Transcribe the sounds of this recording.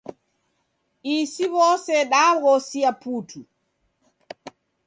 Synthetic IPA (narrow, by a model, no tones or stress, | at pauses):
isiβɔsɛɗaɣɔsiaputu